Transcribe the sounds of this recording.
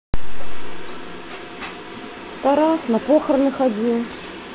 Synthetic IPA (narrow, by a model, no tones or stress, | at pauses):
t̪aɾasnɐpɔxɐɾɐnɨxad͡zʲiw